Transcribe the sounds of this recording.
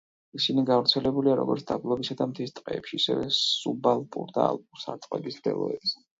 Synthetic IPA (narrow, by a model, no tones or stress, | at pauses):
isiniɡavɾt̪sʰɛlɛbuliaɾɔ̰ɡɔɾt̪sʰd̪ablˠɔbisad̪amt̪ʰist̪ʼqʼɛːpʃiːsɛvɛsubalˠpʼṵɾd̪a̰a̰lˠpʼuɾsat̪ʼqʼɛbisd̪ɛ̰lˠɔ̰ɛbis